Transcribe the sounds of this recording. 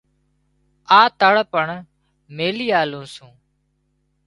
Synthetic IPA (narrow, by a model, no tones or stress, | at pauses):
aːt̪əɽpəɳ | meːliːaːlũːsũː